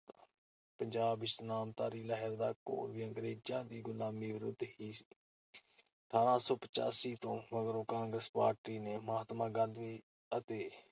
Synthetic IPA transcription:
pəɲd͡ʒaːbɪʃnaːmt̪aːɾiːləɦəɾd̪aːko̰ːɾʋiːəŋɡɾeːd͡ʒãːd̪iːɡʊlaːmiːʋɪɾʊd̪hiːsi̥ː | ʈʰaːɾãːsɔːpə̥t͡ʃa̰ːsiːt̪õːʋəɡɾõːkãːŋɡɾəspaːɾʈiːneːmaːt̪mãːɡə̃nd̪ʋiː | ət̪eː

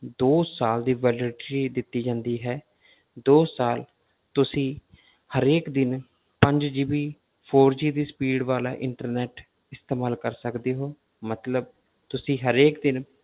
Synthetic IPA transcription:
d̪oːsaːld̪iːʋɛːləʈːɾiːd̪ɪt̪ːiːd͡ʒãːnd̪iːɦɛː | d̪oːsaːl | t̪ʊsĩː | həɾeːkd̪ɪn | pəɲd͡ʒd͡ʒiːbiː | pʰoːɾd͡ʒiːd̪iːspiːɖʋaːla̰ːʔɪɳʈəɾnɛːʈ | ɪst̪eːmaːlkəɾsəkd̪eːɦoː | mət̪ləb̚ | t̪ʊsĩːɦəɾeːkd̪ɪn

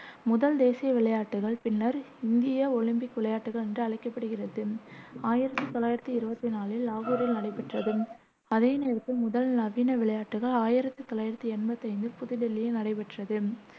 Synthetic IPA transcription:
mʊðɐld̪eːsɪjɐʋɪɭɐjaːʈːɯɣɐɭpɪnːɐɾɪnd̪ɪjɐɔɭɪmpɪkʋɪɭɐjaːʈːɯɣɐɭɛndrɯɐɭɐɪkːɐpːɐɽɯɣɪrɐðɯaːjɪɾɐt̪ːɯt̪ɔlːaːjɪɾɐt̪ːɯɪɾɯbɐt̪ːinaːlɪlːaːɣuːɾɪlnɐɽɐɪpɐʈrɐðɯ | ɐðeːneːɾɐt̪ːɯmʊðɐlnɐʋiːnɐʋɪɭɐjaːʈːɯɣɐɭaːjɪɾɐt̪ːɯt̪ɔlaːjɪɾɐt̪ːiɛnbɐt̪ːɐɪnd̪ɯpʊðɪɽɛlːɪjenɐɽɐɪpɛʈːrɐðɯ

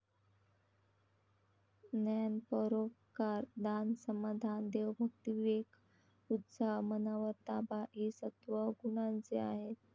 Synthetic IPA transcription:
nanpəɾokkaɾd̪ansəmad̪ʱand̪eʋbʱəkt̪iʋek | ut̪samənaʋəɾt̪abaʔesət̪ʋəɡuɽ̃ãnt͡seaɦet̪̚

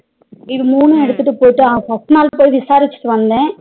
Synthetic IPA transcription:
ɪðɯmuːnũɛɽɯt̪ːɯʈːɯpoːjʈːɯãːkɐʈnaːlpoːjiʋɪsaːɾɪt͡ʃːɯ̥ʈːɯʋɐnd̪ẽː

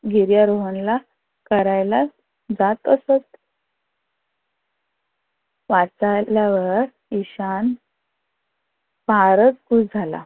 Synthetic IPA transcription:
ɡʱiɾjaɾoɦənla | kəɾajla | d͡zat̪əsət̪ | ʋat͡saljaʋəɾ | iɕan | baɾət͡sɡud͡zʱala̰

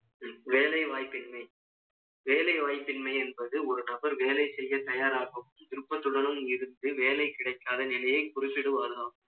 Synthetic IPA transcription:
ʋeːlɐɪʋaːjpːɪnmɐɪ | ʋeːlɐɪʋaːjpːɪnmɐɪɛnbɐðɯɔɾɯnɐbɐɾʋeːlɐɪsɛjːɐt̪ɐjaːɾaːɣɯmt̪ɪɾɯpːɐt̪ːɯɽɐnɯmɪɾɯnd̪ɯʋeːlɐɪkɪɽɐɪkːaːðɐnɪlɐjɐɪpʊɾɪt͡ʃːɪɽɯʋaːɾðaː

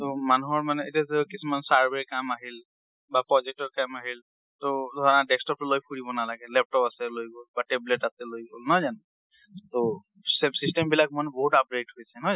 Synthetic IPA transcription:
tomanuɦɔɹmanɛetazekisumansaɹbeɹikamaɦil | bapɹɔzɛk̚tɔɹkamaɦil | tɔdʱɔɹɔnadɛkstɔp̚tʊlojpʰuɹibɔnalaɡɛlɛp̚tɔpasɛlojɡolbatebletatɛlojɡolnɔjzan | to | sɛsistɛmbilak̚manbɔɦutap̚ɹetɦojsɛnɔ

